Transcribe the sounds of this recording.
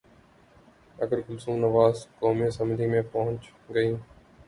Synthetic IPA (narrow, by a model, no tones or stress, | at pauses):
ɐɡəɾɡʊlsũːnɐʋaːzkoːmisɐmɪlimẽpɐɦʊ̃ɲt͡ʃ | ɡəĩː